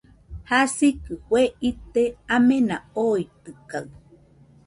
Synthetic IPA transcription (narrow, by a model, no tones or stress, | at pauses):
hasikɨhweit̪eamenaoit̪ɨkaɨ